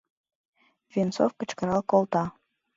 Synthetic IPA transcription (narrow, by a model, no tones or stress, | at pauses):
vʲint͡sofkə̆t͡ɕkə̆ɾɑlˠkolˠt̪ɑ